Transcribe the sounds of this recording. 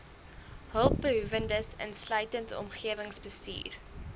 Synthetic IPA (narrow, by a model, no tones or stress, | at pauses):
ɦəlˠp̚bəɦuvəndəsə̰nslœɥtəntɔ̰mχiəvəŋsbəsty̰ːr